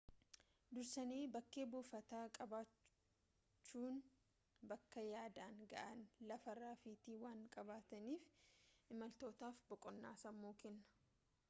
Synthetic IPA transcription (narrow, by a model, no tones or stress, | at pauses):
d̪ʊɾsɐneːbɐkːe̞ːbuːfɐt̪aːkʼɐbaː | t͡ʃːuːn | bɐkːɐjaːd̪aːŋɡɐ̰ʔɐnlɐfɐrːaːfiːt̪iːwaːŋkʼɐbaːt̪ɐniːfʔɪmɐlt̪o̞ːt̪aːfbɔkʼɔnːaːsɐmːoːkɛnːɐ̥